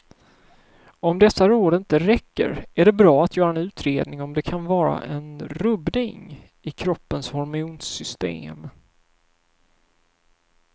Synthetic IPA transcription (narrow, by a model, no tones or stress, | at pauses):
ɔmd̪ɛsːaɾoːd̪əɪnt̪əɾɛkːə̰ɾʔæɖɛbɾɑːat̪jœːɾaɛnʉ̟ːt̪ʰɾeːd̪nɪŋɔmd̪ɛkʰanvɑːɾa̰ʔɛnɾɵbnɪŋ | ɪkʰɾɔpːənshɔɾmɪuːnsʏst̪ḛːm